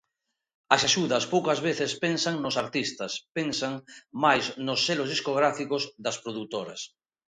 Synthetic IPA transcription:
ɐsaʃuðɐspowkɐzβeθespensaŋnosaɾt̪ist̪ɐspensaŋmajznosːelozðiskoɣ̞ɾafikozðɐspɾoðut̪oɾɐ̰s

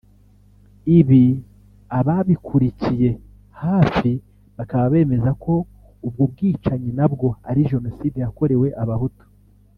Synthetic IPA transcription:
iβi | aβaβikʰuɾicije̞ | haːfi | βakaβaβe̞ːme̞zakʰo̞ | ub̚ɡob̚ɡiːt͡ʃaɲinabɡo̞aɾiʒe̞no̞sidejako̞ɾe̞we̞ʔaβahuto̥

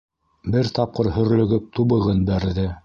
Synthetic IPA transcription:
bɘɾt̪ɑp̚qɤɾhɵ̆ɾlɵ̆ɡɘp̚t̪uβɤ̆ʁɤnbæɾðɘ

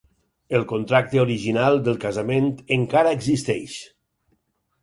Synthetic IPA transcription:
əlˠkont̪ɾak̚t̪eoɾiʒinalˠd̪əlˠkazament̪eŋkaɾaeɡzist̪ɛʃ

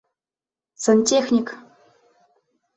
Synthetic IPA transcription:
sɤ̆nʲtʲexnʲik

